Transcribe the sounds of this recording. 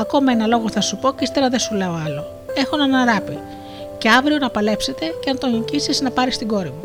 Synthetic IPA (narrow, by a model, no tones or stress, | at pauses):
ɐko̞mɐe̞nɐlo̞ɣo̞θɐsupo̞cist̪eɾɐðesuleoɐlo̞ | e̞xonɐnɐɾɐpi | ce̞ɐvɾio̞nɐpɐle̞pse̞t̪e̞ceɐnt̪o̞nicisiznɐpɐɾist̪iɡo̞ɾimu